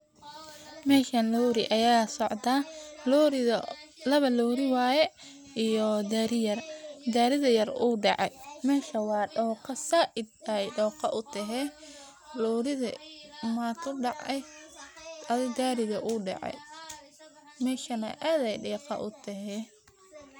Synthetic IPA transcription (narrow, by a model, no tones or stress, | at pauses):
mɛːʃɐnlɔːɾɪ̰ʔɐjaːsɔʕd̪aːlɔɾ | lɐβɐlɔːɾɪwaːjɛ | ʔijɔd̪aːɾɪjɐrd̪aːɾɪðɐjɐruːɖɑʕɑ̰jmɛːʃɐwɑːɖɔːqɐsɐʔɪd̪̚ɐjɖɔːqɑʔʊt̪ʰɐɦɛ | lɔːɾɪðɐ̰maːt̪ʰʊɖɑʕɛj | ɐðɪd̪aːɾɪðɐʔuːɖɑ̰ʕɛ̰j | mɛːʃɐnɐ̰ʔaːðɛjɖɛːqɑ̰ʔʊt̪ʰɐɦɛː